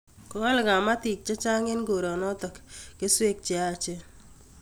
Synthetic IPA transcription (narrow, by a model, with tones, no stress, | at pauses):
kɔ˦a˦lɡa˨ma˦t̪i˨k̚t͡ʃe˦t͡ʃa˦ŋɪ˦nɡo˨ɾɔ˨nɔ˦t̪ɔ˨kke˦swe˦k̚t͡ʃɪ˦a˦t͡ʃe˦